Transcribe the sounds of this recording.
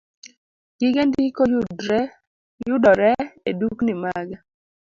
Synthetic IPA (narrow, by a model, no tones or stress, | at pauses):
ɡ̥ɪɡendikod | jʊdɔɾɛeduknimaɡa